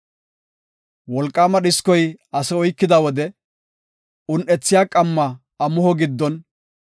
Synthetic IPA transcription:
wɔlkʼːaːmɐɗɪskɔjɐsɛɔjkːɪd̪awɔd̪ɛ | ʊnʔɛt͡sːɪjaːkʼɐmːɐ | ɐmʊhɔɡɪd̪ːɔn

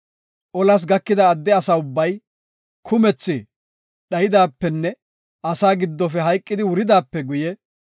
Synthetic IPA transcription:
ʔɔlɐs̬ɡɐkːɪd̪ɐːd̪ːɛɐsaʊbːɐj | kʰʊmɛt͡sːɪ | ɗɐjɪd̪aːpːɛnːɛ | ʔɐsaːɡɪd̪ːɔfɛɦɐjkʼːɪd̪ɪwʊɾɪd̪aːpːɛɡʊjɛ

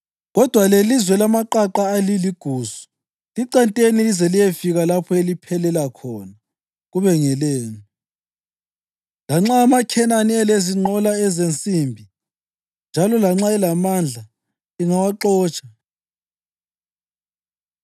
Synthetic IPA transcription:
ɣɔd̥ʱwalelizwɛlamaǃaǃaːliliɡ̥ʱuːzu̥ | liǃantʼenilizɛlijefiɣalapʰɔelipʰɛlɛlakʰɔna | ɣuβɛŋɛleːni | laŋ͡ǁaːmakʰɛnanieleziŋ͡ǃʱɔlaɛzent͡sʼimbʱi | nd͡ʒʱalɔlaŋ͡ǁaɛlamand͡ɮʱa | liŋawaǃɔːt͡ʃʼḁ

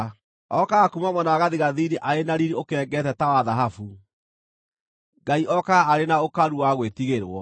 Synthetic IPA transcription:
ɔkaɣːkumamɔnaɣaðiɣaðiniʔaɾenaɾiɾiokɛɡɛtɛtawaðaɦafu | ɡaiʔɔkaaːɾenaokaɾuwaɣwetiɣeɾwɔ

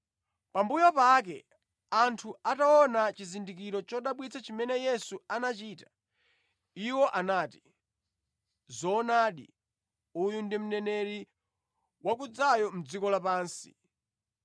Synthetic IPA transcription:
pambujɔpak̬ɛ̰ | antʰuataɔnat͡ʃizindikiɾɔt͡ʃɔɗaɓwit͡sʰat͡ʃimɛnɛjɛsuanat͡ʃiːtḁ | iwɔʔanaːti̥ | zɔːnaɗḭ | ujundim̩nɛnɛɾi | wak̬ud͡zajɔm̩d͡zikɔlapaːnsi̥

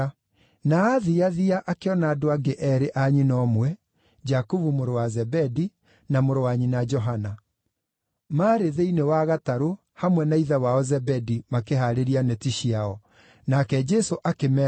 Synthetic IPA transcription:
naːðiaðiaʔakeɔnaːdoaɡeʔɛɾeʔaɲinɔmwɛ | d͡ʒakuvumoɾowazɛbɛdi | namoɾowaɲinad͡ʒɔɦana | maːɾeðeinewaɣataɾo | hamwɛnaiðawaɔzɛbɛdimakeɦaɾeɾianɛtiʃiaɔ | nakɛd͡ʒɛsoʔakemɛ

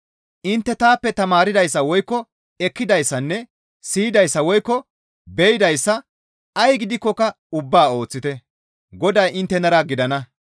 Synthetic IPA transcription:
ʔɪnt̪ːɛt̪aːpːɛt̪ɐmaːɾɪd̪ɐjsːɐwɔjkːɔ | ɛkːɪd̪ɐjsːɐnːɛ | siːd̪ɐjsːɐwɔjkːɔ | bɛjɪd̪ɐjsːɐ | ɐjɡɪd̪ɪkːɔkɐ | ʊbːaːo̞ːt͡sːɪt̪ɛ | ɡɔd̪ɐjɪnt̪ːɛnɐɾɐɡɪd̪ɐnɐ

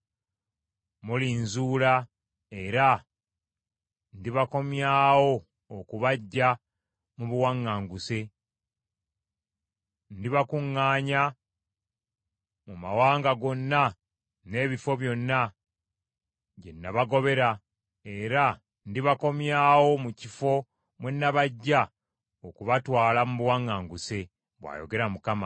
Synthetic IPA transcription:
muliːnzuːla | e̞ɾa | ndiβako̞mjaːwo̞ː | kuβaɟːa | muβuwaŋːaːŋɡuse̞ | ndiβakuŋːaːɲa | muma̰waːŋɡaɡo̞nːa | ne̞ːβifo̞βjo̞nːa | ɟe̞nːaβaɡo̞βe̞ɾa | e̞ɾa | ndiβako̞mjaːwo̞mucifo̞ | mwenːaβaɟːa | okuβatwaːlamuβuwaŋːaːŋɡuse̞ | βwa̰jo̰ɡe̞ɾamukama̰

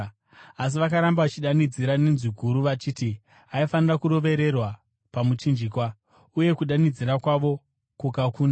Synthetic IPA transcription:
as̬iʋakaɾambaʋat͡ʃiɗanid͡ziɾanenziɡʱuɾuʋat͡ʃiːti | aifanirakuɾo̞ʋe̞ɾe̞rwa | pamut͡ʃind͡ʒiːkwa | uje̞kuɗanid͡ziɾakwaʋo̞ | kukakuːna

